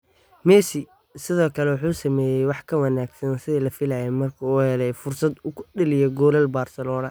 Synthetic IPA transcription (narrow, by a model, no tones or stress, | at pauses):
mɛːsɪ | sɪðɔːkʰɐlɛwɑħuːsɐmɛːjɛjwɑħkʰɐwɐnaːɡsɐnsɪðiːlɐfɪlajɛmɐrkʰɐuːhɛlɛjfʊrsɐd̪ʊkʰʊɗɐlɪjɛɡɔːlɐlbaːrsɐlɔːnɐ